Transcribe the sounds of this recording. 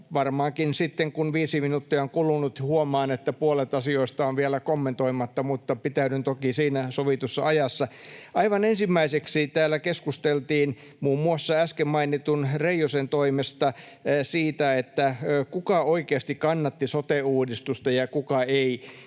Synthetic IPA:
ʋɑrmɑːŋkinsit̪ːeŋkunʋiːsiminut̪ːiɑoŋkulunut̪huomɑːnet̪ːæpuolet̪ɑsioist̪ɑonʋielækomːent̪oimɑt̪ːɑmut̪ːɑpit̪æynynt̪okisiːnæsoʋit̪usːɑ̰ɑjɑsːɑʔɑiʋɑnensimːæiseksit̪æːlːækeskust̪elt̪iːn | muːmːuɑsːɑæskemmɑinit̪unreijosent̪oimest̪ɑ | siːt̪æet̪ːækukɑoikeɑst̪ikkɑnːɑt̪ːisot̪euːdist̪ust̪ɑjɑkukɑei

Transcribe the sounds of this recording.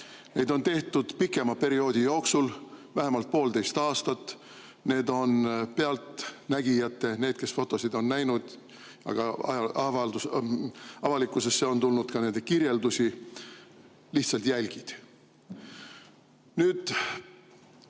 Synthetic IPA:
ne̞jd̪o̞nt̪e̞ht̪ud̪̥pikːˑe̞mɑpe̞ɾio̞ːd̪ʲijoːksulvæɦe̞mɑlt̪̚po̞ːld̪e̞jst̪ɑːst̪ɑt̪ːˑ | ne̞ːd̪o̞npe̞ɑlt̪næɡ̥ijɑt̪ːˑe̞ne̞ːd̪̥ke̞sfo̞t̪ːˑo̞sid̪̥o̞nnæjnud̪̥ | jɑ̰ɡ̥ɑvɑld̪us | ɑvɑlikːˑuse̞sːeo̞nt̪ulnud̪̥kɑne̞nd̪e̞kiɾje̞ld̪usi | liht̪sɑlt̪jælʲɡ̥id̪̥ | nyːd̪̥

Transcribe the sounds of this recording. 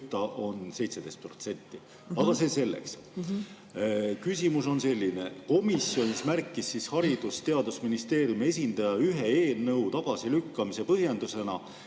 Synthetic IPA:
t̪ːˑɑʔo̞nse̞jt̪se̞d̪̥e̞jst̪̚pro̞t̪se̞nʲt̪ˑːi | ɑɡ̥ɑse̞se̞lːe̞̰ks | kysʲimuso̞nse̞lʲːine̞ko̞misjo̞nʲismærkːˑisːishɑɾid̪̥ust̪e̞ɑd̪̥usminist̪e̞ːɾjume̞s̬ʲind̪̥ɑjɑyɦe̞eːlnɤwt̪ɑɡ̥ɑsilykːɑmise̞pɤɦjend̪use̞nɑ

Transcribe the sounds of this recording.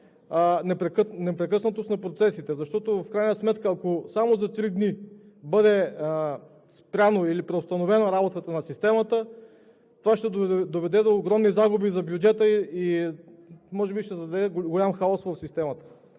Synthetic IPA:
nɛpɾɛknɛpɾɛkɤsnət̪osnɐpɾot̪sɛsit̪ɛzɐʃt̪ɔt̪ofkɾajnəsmɛt̪kəːkosamozɐt̪ɾid̪ni | bɤd̪ɛ | spɾʲanoilipɾɛost̪ɐnovɛnoɾabot̪ət̪ənɐsist̪ɛmɐt̪ə | t̪ovaʃt̪ɛd̪od̪ovɛd̪ɛd̪oːɡɾɔmnizaɡʊbizɐbjud͡ʒɛt̪əii | mɔʒɛbiʃt̪ɛzɐd̪ɐɛɡɡolʲamxaɔsvɐfsist̪ɛmɐt̪ə̥

